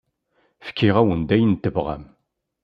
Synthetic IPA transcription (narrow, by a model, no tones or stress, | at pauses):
fə̥kːiʁæwənd̪æjənt̪ːəvʁæ̰m